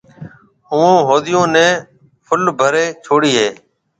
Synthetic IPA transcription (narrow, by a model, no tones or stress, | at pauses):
ɦũːõːɦoːɗ̪ɪjõːnẽː | pʰʊlbʱəɾeːt͡ʃʰoːɽiːɦeː